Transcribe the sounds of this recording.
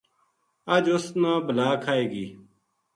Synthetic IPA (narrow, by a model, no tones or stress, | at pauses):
əd͡ʒʊsnãːbəlaːkʰaːeːɡiː